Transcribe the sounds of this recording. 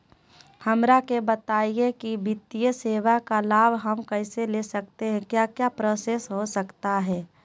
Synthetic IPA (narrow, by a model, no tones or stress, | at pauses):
hɐmɾakebət̪aːijekibɪt̪ːijəseːʋakalaːbɦɐmkɛɪselesək̚t̪eɦɛ̃kjaːkjapɾəsesɦosəkt̪aɦɛː